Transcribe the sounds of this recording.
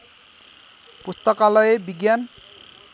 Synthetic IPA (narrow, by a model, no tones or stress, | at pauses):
pust̪ɔkalɔjebiɡjan